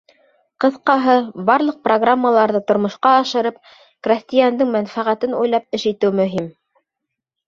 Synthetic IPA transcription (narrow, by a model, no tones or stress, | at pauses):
qɤ̆θqɑɦɤbɑɾlˠɤq̚proɡramːəlˠɑɾðɤt̪ŏɾmŏʃqɑːʃɤ̆ɾɤp̚ | krʲasʲt̪ʲɪjand̪ɘŋmænfæʁæt̪ɘnṵjlˠɑp̚ɘʃit̪ɘwmɵ̆ɦim